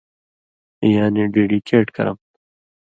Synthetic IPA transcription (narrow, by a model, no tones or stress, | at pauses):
jaːneɖeːɖikʰeːʈkɐ̰ɾɐ̰m